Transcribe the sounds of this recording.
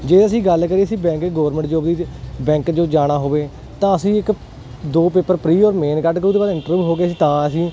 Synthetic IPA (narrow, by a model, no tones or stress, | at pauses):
d͡ʒeːəsĩːɡəlkəɾiːəsĩːbɛ̃ːŋkɡɔːɾmə̃ɳʈd͡ʒoːbd̪iːbɛ̃ːŋkd͡ʒoːd͡ʒaːɽ̃aːɦoːʋeː | t̪ãːəsĩːɪk | d̪oːpeːpəɾpɾiːɔːɾmeːnkəʈkəɾuːd̪eːbaːd̪ɪ̃ɳʈəɾʋiːɦoːɡeːsiːt̪ãːəsĩː